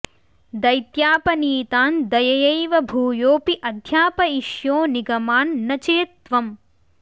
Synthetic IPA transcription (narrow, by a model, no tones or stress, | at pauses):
d̪ɐjt̪jaːpɐniːt̪aːnd̪ɐjɐjɐjʋɐbʱuːjoːpiʔɐd̪ʱjaːpɐiʃjoːniɡɐmaːnːɐt͡ʃeːt̪ʋɐm